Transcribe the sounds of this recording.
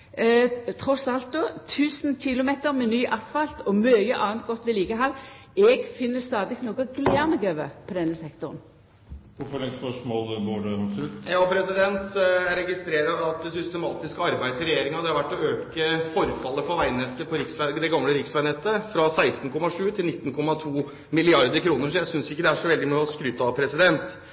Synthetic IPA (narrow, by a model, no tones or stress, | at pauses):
t̪ʰʁɔsɑlt̪̚d̪oːt̪ʰʉːsnçɪlʊmeːt̪əɾmɛnyːʔɑst̪fɑlt̪ɔmøːjəʔɑːnt̪̚ɡɔt̪ːʋɪliːɡəɦɑl | ɛɡfɪnːəst̪ɑːd̪ɪknoːɡəɡlæʁnəɡøːʋə̰pʰɔd̪ɛnːəsɛkt̪ʊʁn | ʋʊfɔɭɛspœʂmoːlɡoːɖɛɑksʉt̪jɑːpʰɾɛsɪd̪ɛnt̪ɾɛɡɪst̪ɾeːɾɑɑt̪̚ɛsʏst̪əmɑːt̪ɪskəɑɾbæɪd̪ɾɛjeːɾɪŋɑd̪ɛhɑɾʋæʈːɔøːkəfɔɾfɑlːəpʰɔʋæɪnɛt̪ːəpʰɔɾɪksʋæɡd̪ɛɡɑmləɾɪksʋæɪnɛt̪ːəfɾɑsæɪst̪n̩kʰɔmɑʂʉːt̪ʰɪlnɪt̪ːnkʰɔmɑt̪ʰuː | mɪlɪɑɾd̪əɾkʰɾuːnəɾsɔjæɪsʏnsɪkːəd̪ɛæʂɔʋɛld̪ɪmøːɔskɾʏːt̪ːɑpʰɾɛsɪd̪ɛnt̪